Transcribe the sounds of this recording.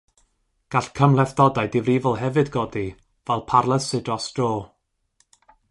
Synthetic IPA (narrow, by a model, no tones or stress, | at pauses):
ɡ̥aɬkʰəmlˠɛfdɔdaɨdɪvrivɔlˠɦɛvɨdɡɔdi | vɛlˠpʰarlˠəsɪdɔsd̥roː